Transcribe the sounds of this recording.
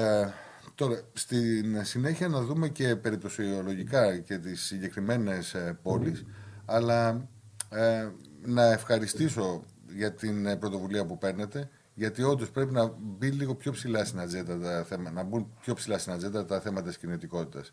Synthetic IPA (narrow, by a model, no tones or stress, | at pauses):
t̪o̞ɾɐst̪insine̞çiɐnɐðume̞ce̞pe̞ɾip̚t̪osiolo̞ʝikɐce̞t̪isːiɲɟe̞kɾime̞ne̞spo̞lisɐlɐ | nɐe̞fxɐɾist̪iso̞ | ʝɐt̪inpɾo̞t̪o̞vuliɐpupe̞ɾne̞t̪e̞ | ʝɐt̪io̞nd̪o̞spɾe̞pinɐbinliɣo̞pço̞psilɐsinɐnzet̪d̪ɐt̪ɐθemɐnɐbunpço̞psilɐsinɐnzed̪ɐt̪ɐθe̞mɐt̪ɐt̪iscinit̪iko̞t̪it̪ɐs